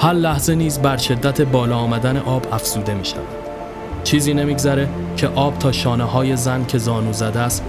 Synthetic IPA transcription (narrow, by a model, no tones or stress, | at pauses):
hæɾlæhze̞niːzbæɾʃe̞d̪ːæt̪ʰe̞bɒːlɒːmæd̪æne̞̰ʔɒːbæfz̥uːd̪e̞miːʃæ̰væ̰d̪̥ | t͡ʃʰiːziːne̞miːɡzæɾe̞cʰe̞ʔɒːb̚t̪ʰɒːʃɒːneɦɒːje̞zæncʰe̞zɒːnuːzæd̪æst̪